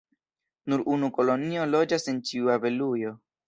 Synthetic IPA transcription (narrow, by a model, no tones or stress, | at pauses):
nuɾʔunuko̞lo̞nio̞lo̞d͡ʒase̞nt͡ʃiuave̞lujo̞